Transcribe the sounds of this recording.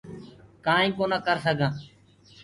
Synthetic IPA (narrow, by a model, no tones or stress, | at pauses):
kaːĩːpoːnəkəɾsəɡʱãː